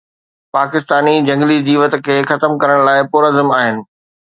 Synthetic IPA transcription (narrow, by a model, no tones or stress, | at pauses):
paːkɪst̪aːnid͡ʑɐ̃ŋɡlid͡ʑiːʋət̪̆kʰeːxɐt̪əmkɐɾəɽ̃laːɪpʊːɾəzəmaːɦɪnɪ̆